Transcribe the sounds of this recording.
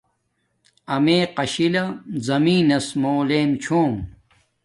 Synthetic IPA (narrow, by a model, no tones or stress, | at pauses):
ɐmeːqɐɕilɐzɐmiːnɐsmoːleːmt͡ɕʰoːm